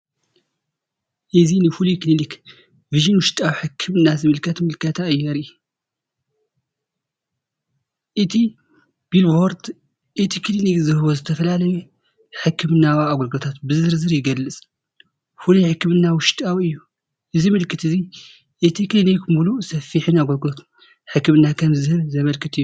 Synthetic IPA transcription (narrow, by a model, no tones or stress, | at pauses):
ʔɨzinɨfulujklinik | viʒɨnwʊʃt̪ʼawiħɨkʰːɨmɨnːazɨmɨlkʰɐt̪mɨlkʰɐt̪ʰaɨjːɐɾi | ʔɨt̪ʰi | b̥ilboɾd̪ | ʔɨt̪ʰikʰɨlinikzɨhɨβozɨt̪ʰɐfɐlalɐju | ħɨkʰːɨmɨnːawaaɡoɾɡlot̪ʰat̪bɨzɨɾzɨɾjɪɡɐlːɨt͡sʼ | fulujħɨkːɨmɨnːawʊʃt̪ʼawiɨjːu | ʔɨzimɨlkʰɨt̪ɨzi | ʔet̪ʰiklinijkʰɨmbulusɐfiħɨnaɡolɡlot̪ | ħɨkːɨmɨnːakʰɐmzɨhɨɾzɐmɐlkʰɨt̪ʰɨjːu